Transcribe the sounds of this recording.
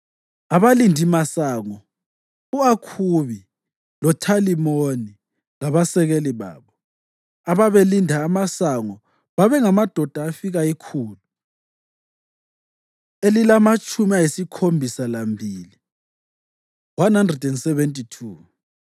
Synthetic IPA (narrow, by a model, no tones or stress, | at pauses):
aβalindʱimasaŋɔ | uakʰuβi | lɔtʰalimoni | ŋaβasɛɣeliβa̰ːβɔ | aβaβelindʱaːmasaŋɔ | βaβɛŋamad̥ʱɔd̥ʱaːfiɣaikʰuːlu | elilamat͡ʃʼumiajisikʰombʱisalambʱiːli | wanhandrɛdɛnsɛβentʼitʰuː